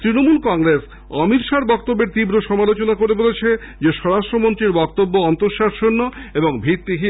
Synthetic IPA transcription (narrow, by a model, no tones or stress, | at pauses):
t̪ɾinomulkɔŋɾes | ɔmit̪ʃaɾbɔk̚t̪obːeɾt̪ibɾoʃɔmalot͡ɕonakoɾebolet͡ɕʰe | d͡ʑeʃɔɾaʃʈɾomont̪ɾiɾbɔkt̪obːoɔnt̪oɾʃaɾʃonːoeboŋbʱɾit̪ːiɦi